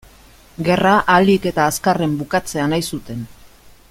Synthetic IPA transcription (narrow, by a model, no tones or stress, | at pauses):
ɡe̞raʔalike̞t̪aːskare̞mbukat͡se̞anajsut̪e̞n